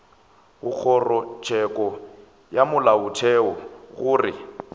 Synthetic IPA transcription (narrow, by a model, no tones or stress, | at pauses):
ɣʊk͡xʰɔrɔt͡ʃʰʼɛkʼɔ | jamʊlaʊtʰɛɔɣʊːrɪ̰